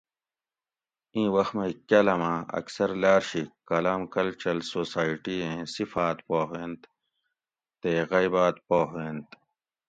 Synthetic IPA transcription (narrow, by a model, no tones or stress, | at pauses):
ĩːwɐxmekɐlɐmãɐ̰ksɐɾlaːɾɕikɐlaːmkɐlt͡ɕɐlsoːsaːiʈiẽːsifaːt̪poːɦẽːnt̪ | t̪eːɣɐjbaːt̪̚poːɦẽːnt̪